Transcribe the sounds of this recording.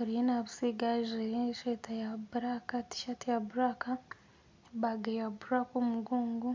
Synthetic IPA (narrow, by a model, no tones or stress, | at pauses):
huɾijenaβusiɡaʒeʃetajaβuɾakati̥ʃatijaβuɾaka | βaɡejabuɾakomuɡuːŋɡu